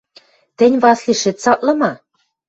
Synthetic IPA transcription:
t̪ɘ̆nʲβɑsliʃet̪sɑt̪lɤ̆mɑ

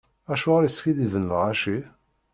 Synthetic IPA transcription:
æʃuʁɾisçiðivənːəlʁɑʃi

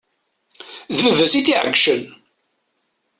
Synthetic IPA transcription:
ðvəvəsiθiʕə̰ɡʃən

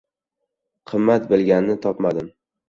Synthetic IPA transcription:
qʰɨmːat̪bɪlˠɡʲannɪt̪ʰɒpmad̪ɪm

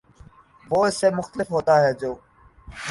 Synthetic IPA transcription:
ʋoːɪseːmʊxt̪əlɪfɦoːt̪aːɦɛːd͡ʒoː

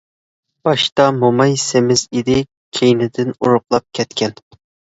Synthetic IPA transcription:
b̥ɑʃt̪ɑmomɑjsɪmɪzid̪ɪ | kʲʰejnɪd̪ɪnuɾʊqlˠɑp̚kʲʰɛt̪kʲɛn

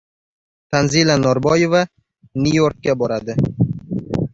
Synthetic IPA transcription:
t̪ʰanzilanɒɾbɒje̞va | nujo̞ɾk̚ʲːabɒɾad̪ɪ

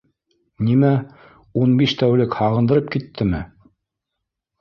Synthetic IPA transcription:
nimæ | unbiʃt̪æwlɘkhɑʁɤ̆nd̪ɤ̆ɾɤp̚kit̪ːɘmɘ

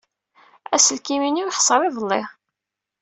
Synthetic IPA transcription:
æsəlkiminiwħsˤɑɾˤiðˤəlˤːɪʁ

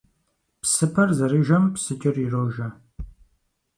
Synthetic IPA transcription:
psɨpʰɐrzɐrɨʒɐmpsɨt͡ʃʼɪriroːʒɐ

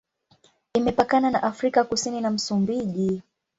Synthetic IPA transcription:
imɛpakananaʔafɾikakusininam̩sumbiʄi

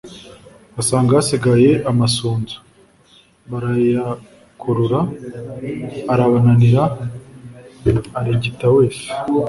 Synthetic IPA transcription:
asaːŋɡasiɡaje̞amasuːnzu̥ | βaɾaja | kʰuɾuɾa | ɾaβananiɾa | ɾiɟitaweːf

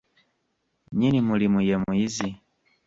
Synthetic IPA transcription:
ɲinimulimujɛmuizi

